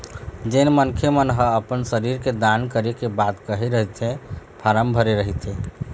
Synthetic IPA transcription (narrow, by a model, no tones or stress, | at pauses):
d͡ʒenmənkʰemənɦə̃əpənsəɾiɾked̪ankəɾekebat̪kəɦeɾəɦɛt̪ʰɛ̃pʰaɾəmbʱəɾeɾəɦit̪ʰɛ